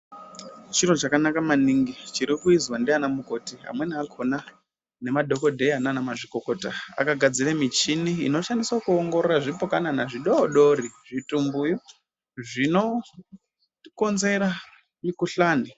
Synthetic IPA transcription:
t͡ʃinot͡ʃakanakamaniŋɡit͡ʃiɾikuizwandianamuko̞tiɦa̰mwe̞niakʰo̞na | ne̞madʱo̞ko̞dʱe̞ananamaʐiko̞ko̞taa̰kaɡʱad͡ziɾamit͡ʃiniḭno̞ʃaniswakuoŋɡo̞roraʐipokananaʐiɗoɗo̞ɾiʐitumbuju | ʐino̞ | ko̞nze̞ɾa | mikuɬaːni

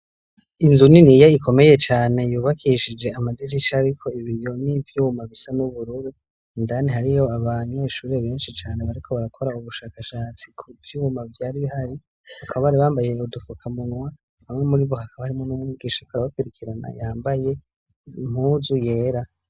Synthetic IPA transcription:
inzuninijaikʰo̞me̞je̞t͡ʃaːne̞juːβakʰiʃid͡ʒe̞amadid͡ʒiʃaɾikʰo̞iβijo̞nivjuːmaβisanuβuɾuɾi | ndanihaɾijo̞aβaɲe̞ʃuːɾe̞βe̞ːnʃit͡ʃaːne̞βaɾikʰo̞βaɾakʰo̞ɾauβuʃaːkaʃaːt͡sikʰuvjuːmavjaːɾiβihaɾi | akʰaβaβaɾiβaːmbaje̞udufukʰamunwa | hamŋemuɾiβohakʰaβahaɾimonumɲiɡiːʃakoaɾaβapeɾikʰiɾana̰jaːmbaje̞ | m̥huzuje̞ːɾa

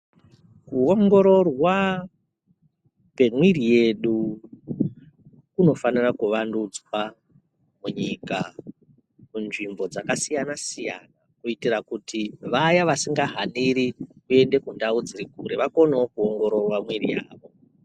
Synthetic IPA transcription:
kuoŋɡo̞ɾo̞rwa | pe̞mwirije̞ɗu | kuno̞fanirakuʋandud͡zwa | muɲika | munʐimbo̞d͡zakasijanasija̰nakuitirakutiʋajaʋasiŋɡaɦaniɾikue̞nde̞kundaud͡ziɾikuɾeʋako̞neokuoŋɡo̞ɾo̞rwamwirḭja̰ːʋo̞

